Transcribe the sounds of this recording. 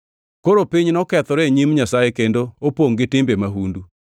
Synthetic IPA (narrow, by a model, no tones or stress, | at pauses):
koɾopiɲnɔkɛt̪ɔɾɛɲimɲasaekendoopwoŋɡɪtɪmbemaɦundu